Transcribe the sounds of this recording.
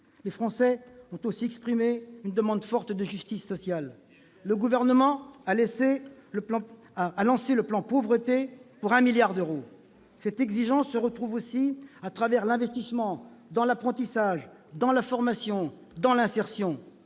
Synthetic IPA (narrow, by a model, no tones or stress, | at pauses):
lefχɑ̃sɛɔ̃t̪osiɛkspχimeynd̪əmɑ̃d̪fɔʁt̪d̪əʒyst̪isːɔsjalː | əɡuvɛʁnəmɑ̃alese | alɑ̃seləplɑ̃povʁət̪epuʁɛ̃miljaʁd̪øʁo | sɛt̪ɛɡziʒɑ̃sːəʁət̪χuvosiat̪χavɛʁlɛ̃vɛst̪ismɑ̃d̪ɑ̃lapχɑ̃t̪isaʒ | d̪ɑ̃lafɔʁmasjɔ̃ | d̪ɑ̃lɛ̃sɛʁsjɔ̃